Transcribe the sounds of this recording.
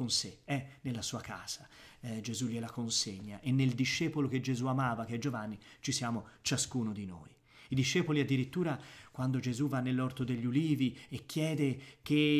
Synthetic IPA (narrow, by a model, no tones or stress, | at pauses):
konseɛnelːasuːaka̰ːz̥ad͡ʒezuʎːelakonseɲːaʔenːeld̪iʃːɛːpolok̟ed͡ʒezuamaːvakeɛd͡ʒovanːit͡ʃisjaːmot͡ʃaskuːnod̪ino̰ːj | id̪iʃːɛːpoliad̪ːiɾit̪ːuːɾakwand̪od͡ʒezuvanːelːɔrt̪od̪eʎːuliːviekːjɛːd̪ek̟e